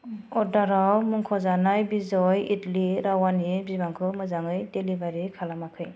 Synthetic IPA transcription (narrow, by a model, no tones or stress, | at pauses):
ɔdaɾawmuŋkʰɔzanajbizɔjitliɾawanibibaŋkʰɯmɯzaŋɯjdelibaɾikʰalamakʰɯj